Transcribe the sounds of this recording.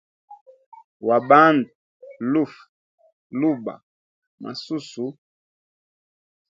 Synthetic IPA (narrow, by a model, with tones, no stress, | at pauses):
wa˨ba˦n˨tu˨lu˦f | lu˦ba̰˨ | mʔa̰˨su˦su˨˦